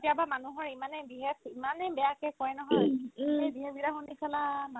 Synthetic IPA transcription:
tijabamanuɦɔɹimanɛbiɦepimanɛbɛjakɛkɔjɛnɔɦɔjɛbiɦebiɾaɦunisɛlama

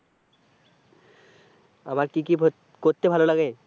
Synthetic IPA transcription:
a̰maɾkiki | koɾt̪ebʱalolaɡe

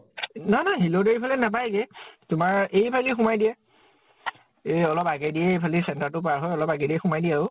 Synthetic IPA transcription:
nanaɦilodeɹipʰalɛnap̬ajɡɛtʊmaɹejpʰalixumajdijɛ | eɔlɔpaɡɛdiɛejpʰalisɛntaɹtʊpaɹɦɔjɔlɔpaɡɛdiɛxumajdiaʊ

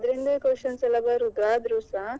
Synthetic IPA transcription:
d̪ɐɾind̪ɐkoːʃɐnsɐlɐbɐɾud̪ɾaːd̪ɾuːsa

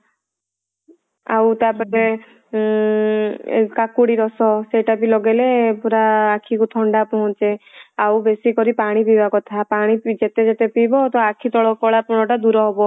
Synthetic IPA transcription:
a̰wt̪apɔt̪e | kakuɽiɾɔsɔseʈapilɔɡelepuɾaːkʰikut̪ʰɔɳɖapɔɦɔ̃t͡ʃeawbesikɔɾipaɽ̃ipibakɔt̪ʰapaɽ̃id͡ʒet̪ed͡ʒet̪epibɔt̪ɔakʰit̪ɔɭɔkɔɭapɔɽ̃ɔʈad̪uɾɔɦɔbɔ

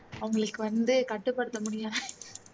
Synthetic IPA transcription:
ɐʋɐŋɡɐɭɯkːɯʋɐnd̪ɯkɐʈːɯpːɐɽɯt̪ːɐmʊɽɪja

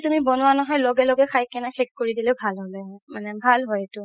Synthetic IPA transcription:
tumibɔnʊwanɔɦɔjlɔɡɛlɔɡɛxʰajkɛnaxʰekːkoɹidilɛʊbʱalɦɔlɛmanɛbʱalɦɔjetʊ

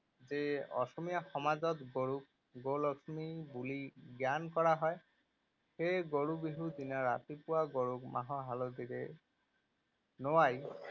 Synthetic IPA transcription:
d͡ʒeɔ̰sɔmijaxɔmad͡ʒɔt̪ɡoɽuk̚ | ɡolɔksmibuliɡjankɔɽaɦɔe | heɡoɽubiɦud̪inaɾa̰t̪ipuaɡoɽukmaɦɔɦalɔd̪iɾe | noaj

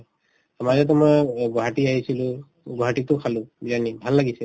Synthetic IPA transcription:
amazɛtamajbɔɦatiaɦisilʊ̃ | bɔɦatitʊkʰalʊ̃bilanibʱallaɡisɛ

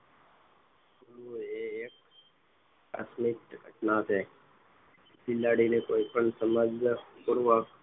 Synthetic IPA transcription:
kulueːkː | a̰smikɡʱəʈnat͡ʃʰe | silːaɽinekoːipəɳsəməd͡ʒpuɾʋək

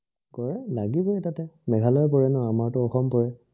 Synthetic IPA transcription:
ɡɔɹɛlaɡibɔɹɛtatɛmɛɡʱalɔɛpɔɹɛnɔamaɹtʊɔxɔmpɔɹɛ

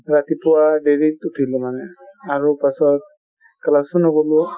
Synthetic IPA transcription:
ɾat̪ipuwaɖeɾituʈʰilɔmanɛaɹupasɔt̚ | kalasunɔɡɔlu

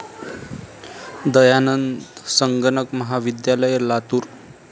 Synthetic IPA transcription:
d̪əjanənd̪səŋɡəɳəkməɦaʋid̪jaləjelat̪uːɾ

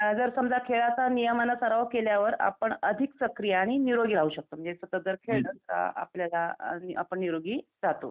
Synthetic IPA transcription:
d͡zəɾsəmd͡zakʰeɭat͡sanijəmanəsəɾaʋkeljaʋəɾa̰pəɳəd̪ʱiksəkɾijaːɽ̃iniɾoɡiːɾ̤aɦuːɕək̚t̪oːm̤əɳnd͡zesət̪əd͡zəɾkʰeɭɖənt̪ɾa̰a̰pljalaa̰pəɳniɾoɡiːd͡zat̪o̰

